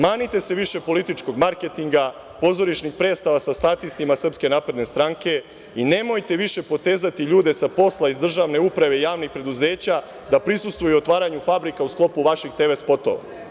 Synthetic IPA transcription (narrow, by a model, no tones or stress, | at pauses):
maːnit̪e̞se̞ʋiʃe̞po̞lit̪it͡ʃko̞ɡmaɾke̞t̪iŋɡa | po̞zo̞ɾiʃnixpɾe̞ːd̪st̪aʋasast̪at̪ist̪imasr̩pske̞naːpɾe̞d̪ne̞st̪ɾaŋke̞ | ine̞mo̞jt̪e̞ʋiʃe̞po̞t̪e̞ːzat̪iʎuːd̪e̞sapo̞slaizd̪r̩ʒaʋne̞upɾaʋe̞ijaːʋnixpɾe̞d̪uze̞ːt͡ɕa | d̪apɾisust̪vʋujuot̪ʋaːɾaɲufabɾikausklˠo̞puʋaʃixt̪e̞ʋe̞spo̞t̪o̰ʋa̰